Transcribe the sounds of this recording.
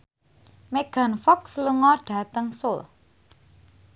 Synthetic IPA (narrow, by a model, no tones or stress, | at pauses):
meɡ̥a̤nfɔksluŋɔɖ̥ä̤t̪əŋsʊl